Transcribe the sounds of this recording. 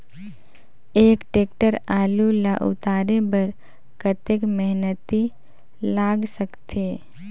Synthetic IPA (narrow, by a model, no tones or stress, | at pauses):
eːkʈeːk̚ʈəɾaːlulaʔʊ̰t̪aːɾebəɾ | kət̪ekmɛɦnət̪i | laːɡsəkt̪eː